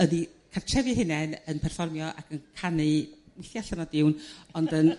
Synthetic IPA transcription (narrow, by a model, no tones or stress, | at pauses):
ənikʰartʰrɛvɨɦɪnɛnənpʰɛrfɔrmjɔʔa̰kʰənkʰanɨwɪθjaɬənɔdɪwnɔndən